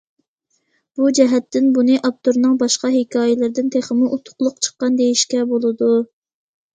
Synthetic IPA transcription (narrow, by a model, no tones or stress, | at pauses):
b̥ud͡ʒɛɦɛt̪ːɪnbunɨʔɑp̚t̪ʰoɾnɨŋbɑʃqɑɦekʲʰɑːjɪlɪɾd̪ɪnt̪ʰeχəmʊʔut̪ʰʊ̥χlˠʊqt͡ʃʰə̥qːɑnd̪ejiʃkʲɛbolˠɨd̪u